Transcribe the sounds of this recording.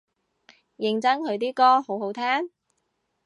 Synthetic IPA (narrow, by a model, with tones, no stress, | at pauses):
jɪ˨˩ŋt͡sɐ˥ŋkʰɵ˨˧ɥt̪̬iː˥kɔː˥ho˨˥wɦo˨˥wt̪ʰaː˥n